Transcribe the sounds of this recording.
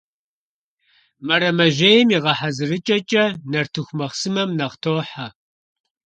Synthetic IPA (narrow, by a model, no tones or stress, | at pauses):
mɐɾɐmɐʒeːjɪmiʁɐħazɨrɨt͡ʃʼɐt͡ʃʼɐnɐrtʰɨxʷmɐχsɨmɐmnɐʁtʰoːħa